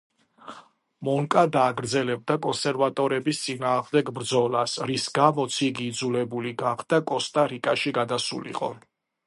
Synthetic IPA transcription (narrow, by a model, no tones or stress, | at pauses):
mɔŋkʼad̪aːɡɾd̪zɛlɛb̚d̪akʼɔnsɛɾvat̪ʼɔɾɛbist̪sʼinaːʁmd̪ɛɡbɾd̪zɔlasɾisɡamɔt̪sʰiɡiːd̪zulɛbuliɡaχd̪akʼɔst̪ʼaɾikʼaʃiɡad̪asṵlḭqʼɔ̰